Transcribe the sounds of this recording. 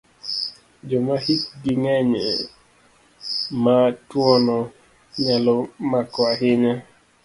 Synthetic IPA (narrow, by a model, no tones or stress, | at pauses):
d͡ʒɔmahikɡiŋɛɲɛ | matwɔnɔ | ɲalɔmakɔaɦɪɲa